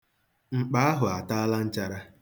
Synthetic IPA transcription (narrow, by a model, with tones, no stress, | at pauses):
ŋ͡m̩˨k͡pa˨˦a˦ɦʊ˨a˨ta˦a˦la˦n̩˦t͡ʃa˦ɾa˦